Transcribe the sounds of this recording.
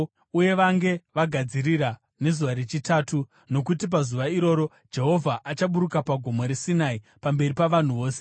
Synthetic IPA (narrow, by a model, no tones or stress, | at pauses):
uje̞ʋaŋɡe̞ʋaɡʱad͡ziɾira | ne̞zuʋaɾet͡ʃitaːtu | no̞k̬utip̬azuʋaiɾo̞ːɾo̞ | d͡ʒe̞ɦo̞vʱaʔat͡ʃaɓuɾukapaɡʱo̞moɾesinai | pambe̞ripaʋan̤uʋo̞ːse